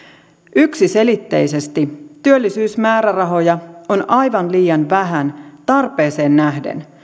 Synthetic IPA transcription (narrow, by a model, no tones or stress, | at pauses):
ʔyksise̞lit̪ːe̞̰jse̞st̪it̪yølːisyːsmæːɾærɑɦo̞jɑonʔɑjʋɑnliːjɑnʋæɦænt̪ɑrpe̞ːse̞ːnːæɦdḛn